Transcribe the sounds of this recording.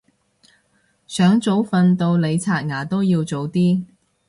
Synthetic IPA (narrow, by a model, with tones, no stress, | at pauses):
sœː˨˥ŋt͡so˨˥wfɐ˧nt̪o˧wle˨˧jt͡sʰaː˧t̚ŋaː˨˩t̪o˥wjiː˧wt͡so˨˧wt̪iː˥